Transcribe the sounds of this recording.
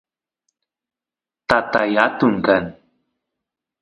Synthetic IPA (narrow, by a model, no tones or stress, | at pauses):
t̪at̪ajat̪ʊŋkan